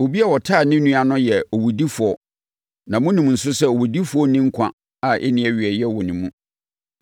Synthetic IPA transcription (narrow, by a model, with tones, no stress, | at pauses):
o˨bi˦a˨wɔ˨tʰaː˦˨nɪ̃˦nũ˦a˨nʊ̃˦jɛ˨ɔ˨wu˨di˦fʊ˨ɔ˨ | nã˨mʊ̃˦nĩ˨m˨n̩˨sʊ˦sɛ˦o˨wu˨di˦fʊ˨˦ɔ˦nɪ̃˦ŋ̩˦kʷʰã̰˦ | a˨ʔɛ̰˦nɪ̃˦ɛ˨ɥi˨ɛ˨jɛ˦wɔ˨nɪ̃˨mũ˦